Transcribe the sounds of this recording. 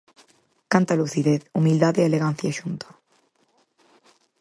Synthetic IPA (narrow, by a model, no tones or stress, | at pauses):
kant̪aluθiðeθumild̪aðeeleɣan̟θjaʃunt̪ḁ